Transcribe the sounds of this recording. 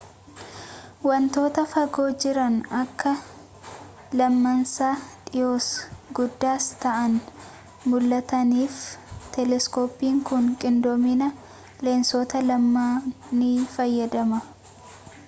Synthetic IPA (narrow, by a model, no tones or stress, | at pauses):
wɐnt̪o̞ːt̪ɐfɐɡo̞ːd͡ʒɪɾɐnɐkːɐ | lɐmːɐnsaːᶑɪjo̞ːsɡʊd̪ːaːst̪ɐʔɐn | mʊlːɐt̪ɐniːft̪ɛlɛskoːpːiːŋkʊŋkʼɪnd̪ɔmɪnɐ | leːnsoːt̪ɐlɐmːaː | nɪfɐjːɐd̪ɐmɐ